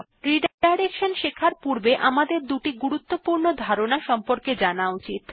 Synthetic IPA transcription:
ɾiɖajɾekʃonʃekʰaɾpuɾbeʔamad̪eɾd̪uʈiɡuɾut̪ːopuɾnod̪ʱaɾonaʃɔmpoɾked͡ʑanaut͡ɕit̪

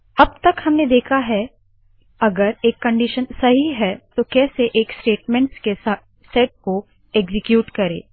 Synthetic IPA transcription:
ɐb̚t̪ɐkhɐmned̪eːkʰaɦɛ | ɐɡəɾeːkːɐ̃ɳɖiʃənsɐɦiɦɛt̪okɛːseʔeːksʈeːʈmɛ̃ɳʈske | sɛːʈ̚ko | eːɡzɪkjuːʈkɐɾḛː

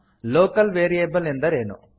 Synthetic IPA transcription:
loːkɐlʋeːɾieːbɐlend̪ɐɾeːnṵ

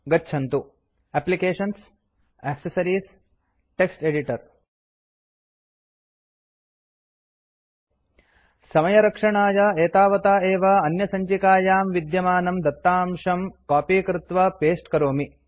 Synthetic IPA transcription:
ɡɐtːt͡ʃʰɐnt̪u | æːplikeːʂɐns | ɛːksɐsɐɾiːs | ʈeksʈeɖiʈɐɾ | sɐmɐjɐɾɐkʂɐɳaːjɐeːt̪aːʋɐt̪aːeːʋɐɐnjɐsɐɲt͡ʃikaːjaːmʋid̪jɐmaːnɐmd̪ɐt̪ːaːmʂɐmkaːpiːkɾɪt̪ʋɐpeːsʈkɐɾoːmi

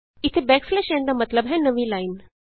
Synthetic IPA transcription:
it̪ʰebɛkflɛʃɛ̃nd̪amət̪ləbɦɛnəʋilain

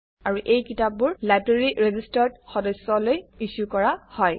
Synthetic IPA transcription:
aɹuʔejkitap̚bʊɹlabɹeɹiɹezistaɹdxɔdɔsːɔlojiʃukɔɹahɔj

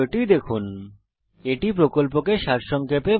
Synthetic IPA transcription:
ʈid̪ekʰun | eʈipɾokolpokeʃaɾʃɔŋkʰepe

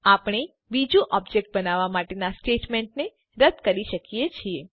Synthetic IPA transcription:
apəɽ̃e | bid͡ʒũʔɔbd͡ʒek̚ʈ̚bənaʋamaʈenasʈeʈmeɳʈne | ɾəd̪kəɾiʃəkijet͡ʃʰie

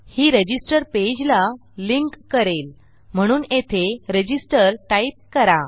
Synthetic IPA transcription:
hiːɾəd͡ʑisʈəɾped͡ʑla | liŋkːəɾel | m̤əɽ̃uːnet̪ʰeɾəd͡ʑisʈəɾʈaip̚kəɾa

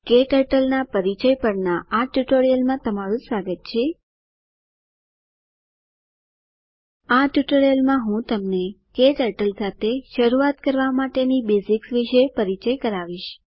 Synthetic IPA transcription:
keʈəʈəlnapəɾit͡ʃəjpəɽnaaʈjuʈoɾijəlmãt̪əmaɾũsʋaɡət̪̚t͡ʃʰe | aʈjuʈoɾijəlmãɦũt̪əmnekeʈəʈəlsat̪ʰeʃəɾuat̪̚kəɾʋamaʈenibesiksʋiʃəjpəɾit͡ʃəjkəɾaʋiʃ

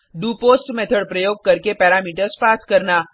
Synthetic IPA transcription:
ɖuːpoːsʈmɛt̪ʰəɽpɾəjoːɡ̚kɐɾkepɛːɾaːmiːʈəɾspaːskəɾnaː

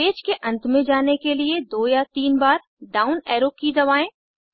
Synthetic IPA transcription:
eːd͡ʒkeʔɐ̃nt̪mẽd͡ʒaːnekelied̪oːjat̪iːnbaːɾ | ɖaːʊnɛːɾokkːid̪ɐʋaːẽː

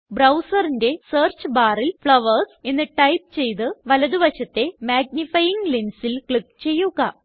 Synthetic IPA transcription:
brɐwsɐrinde̞seːrt͡ɕɨbaːrilfɭɐʋɐrse̞nːɨʈɐjp̚t͡ɕe̞jt̪̬ɨʋɐlɐðuʋɐɕɐt̪ːe̞maːɡ̚nifɐjiŋɡlinsilkɭik̚ːt͡ɕe̞jːuɣɐ

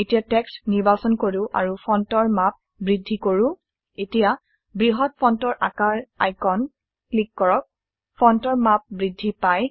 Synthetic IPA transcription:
etijatɛkstniɹbasɔnkoɹuʔa̰ɹupʰɔntɔɹmap̚ | bɹidʱːikoɹũ | etija | bɹiɦɔt̚pʰɔntɔɹʔa̰kaɹa̰jkɔn | klikːɔɹɔk̚ | pʰɔntɔɹmap̚bɹidʱːipaj

